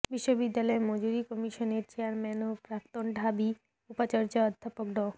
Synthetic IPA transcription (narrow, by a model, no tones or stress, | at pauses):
biʃːobid̪ːalɔemɔd͡ʑuɾikɔmiʃoneɾt͡ɕeaɾmɛnopɾak̚t̪onɖʱabi | upat͡ɕɔɾd͡ʑaɔd̪ʱːapokɖɔ